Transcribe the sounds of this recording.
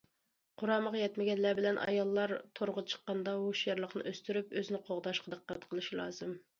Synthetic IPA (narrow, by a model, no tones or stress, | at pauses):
qʰʊɾɑːməʁjɛt̪mɪɡʲɛnlæbɪlɛnʔɑ̰jɑlˠːɑɾt̪ʰoɾʁɑt͡ʃʰə̥qːɑnd̪ɑɦoʃjɛɾlˠəqnɨ̰ʔøst̪yɾypøzɪnɪqʰoʁd̪ɑʃqʰɑd̪əqʰːɾɛt̪qʰəlˠɨʃilˠɑ̰ːzɨm